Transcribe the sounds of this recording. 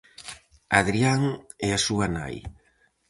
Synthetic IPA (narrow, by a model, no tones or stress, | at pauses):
aðɾiaŋɛasuana̰j